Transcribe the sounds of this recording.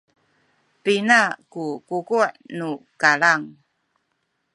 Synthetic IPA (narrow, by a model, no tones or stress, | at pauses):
pinakukukuʔnukalaŋ